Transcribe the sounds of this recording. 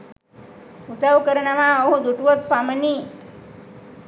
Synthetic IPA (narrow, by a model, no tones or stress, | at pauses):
ut̪awkəɾɳamãəɦud̪uʈʋot̪paməni